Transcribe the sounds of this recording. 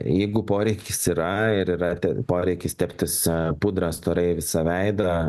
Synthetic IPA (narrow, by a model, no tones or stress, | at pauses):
jɛɪɡʊpoːɾʲɛɪkʲɪsiɾɐɪɾiːɾɐt̪ʲɛpoːɾʲɛɪkʲɪst̪ʲæpʲt̪ʲɪspʊd̪ɾɐst̪oːɾɐɪʋʲɪsɐʋʲɛɪd̪ɐ